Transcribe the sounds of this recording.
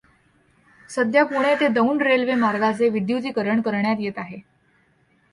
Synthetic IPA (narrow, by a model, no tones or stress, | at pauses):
səd̪ʱjapuɽ̃et̪ed̪əuɳɖɾelʋemaɾɡat͡seʋid̪jut̪iːkəɾəɳkəɾɳjat̪jet̪aɦe